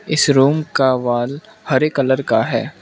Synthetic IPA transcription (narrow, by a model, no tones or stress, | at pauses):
ɪsɾuːmkaʋaːlhɐɾekɐləɾkaɦɛː